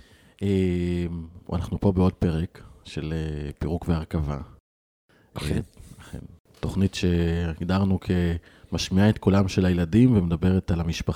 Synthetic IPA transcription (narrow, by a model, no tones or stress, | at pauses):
ʔemṵa̰naχnupo̞beo̞d̚pe̞ʁekʃe̞lepiʁukveaʁkava̰ | aḛn | to̞χnitʃe̞ɡdaʁnukʰe̞ | maʃmiaet̪kolamʃe̞lajeladimvemedabe̞ʁetalamiʃpa